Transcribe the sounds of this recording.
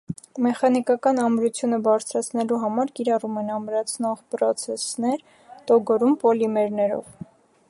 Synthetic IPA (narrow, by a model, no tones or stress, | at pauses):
mɛχɑnikɑkɑnɑmɾut͡sʰjunəbɑɾt͡sʰɾɑt͡sʰnɛluɦɑmɑɾkiɾɑrumɛnɑmɾɑt͡sʰnɔʁpɾɔt͡sʰɛsnɛɾ | t̪ɔɡɔɾumpɔlimɛɾnɛɾɔ̰v